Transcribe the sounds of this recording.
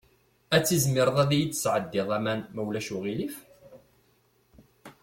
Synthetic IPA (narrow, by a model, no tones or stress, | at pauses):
æt͡sːizmɪɾðˤæðijit͡s̪ːsʕəd̪ːɪðˤæmænmæwlæʃuʁilif